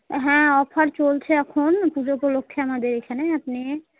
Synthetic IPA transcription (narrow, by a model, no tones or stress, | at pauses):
ɦɛ̃ɔpʰəɾt͡ʃolt͡ʃʰeəkʰonpud͡ʒokolokʰːjamad̪eɾekʰɛneəpne